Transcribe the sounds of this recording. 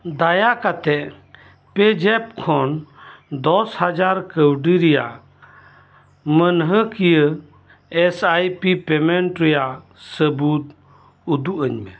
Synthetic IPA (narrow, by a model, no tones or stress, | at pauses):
d̪ajaʔkat̪ɛʔ | pɛd͡ʒɛp̚kʰɔnd̪ɔshad͡ʒaɾkəwɖiɾɛja̰ʔ | mənɦəkijə | ɛsajpipɛmɛɳʈɾɛjaʔ | səbut̪̚ | ud̪uʔəɲmɛ